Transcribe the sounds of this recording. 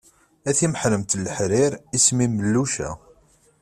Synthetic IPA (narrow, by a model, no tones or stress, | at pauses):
æθiməħləmt̪lːəħɾɪɾismiməlːuʃæ̰